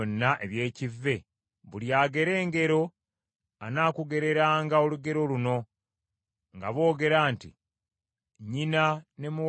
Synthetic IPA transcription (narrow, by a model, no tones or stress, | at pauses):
nːaʔe̞βje̞ːcivːe̞ | βuljaːɡe̞ɾe̞ːŋɡe̞ɾo̞ | anaːkuɡe̞ɾe̞ɾaːŋɡao̞luɡe̞ɾo̞luno̞ | ŋɡaβo̞ːɡe̞ɾaːntḭ | ɲinane̞mu